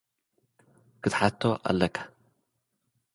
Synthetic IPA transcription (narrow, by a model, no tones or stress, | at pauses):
kʰɨt̪ħat̪ʰːoʔa̰lːɐkʰḁ